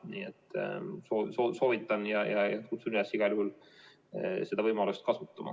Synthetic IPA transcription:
niːet̪ːˑsosoːso̞ːvit̪ːˑɑnjɑjɑjɑkut̪suniɑsiɡ̥ɑlʲjuhul | se̞d̪̥ɑvɤjmɑlust̪̚kɑsut̪ːˑɑmɑ̰

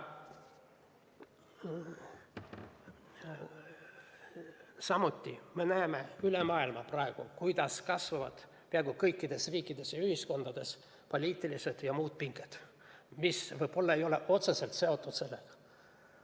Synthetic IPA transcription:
sɑmut̪ʲˑːime̞næːmeylemɑːilmɑprɑeɡ̥ukujd̪ɑskɑsvɑvɑ̰d̪̥ | peɑɡ̥ukɤjkːˑid̪̥e̞sriːkːˑid̪̥e̞sjɑyhisko̞nd̪̥ɑd̪̥e̞s | po̞lʲiːt̪ːˑilised̪̥jɑmuːd̪̥̚piŋɡ̥ed̪̥ | misvɤjb̥o̞lːɑe̞jo̞leʔo̞t̪sese̞lt̪se̞o̞t̪ˑːut̪se̞lːeɡ̥ɑ̥

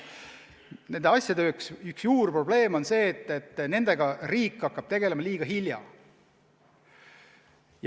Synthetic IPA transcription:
ne̞nd̪eɑsʲjɑd̪eøːksyksjuːrpro̞ble̞ːmo̞nse̞ːt̪ːet̪ːˑne̞nd̪̥e̞ɡ̥ɑriːkˑːɑkːɑb̥t̪e̞ɡ̥e̞le̞mɑliːɡ̥ɑɦiljɑ̰ | j

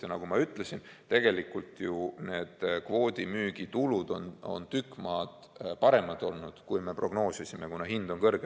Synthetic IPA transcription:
enɑɡ̥umɑyt̪ˑlesint̪e̞ɡ̥e̞likːˑult̪june̞ːd̪̥kvo̞ːd̪̥ʲimyːɡ̥it̪ulud̪̥o̰no̞̰nt̪ykːˑmɑːd̪̥ | pɑɾe̞mɑd̪o̞lnud̪̥kujme̞pro̞ɡ̥no̞ːsisimekunɑɦind̪̥o̞nkɤrɡ̥e

